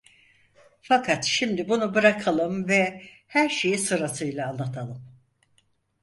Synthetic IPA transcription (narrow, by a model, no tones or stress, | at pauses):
fakʰat̪ʃimd̪ibunubɯɾakʰalˠɯmvɛ | hæɾʃe̞jisɯɾasɯjlˠaːnlːat̪ʰalˠɯm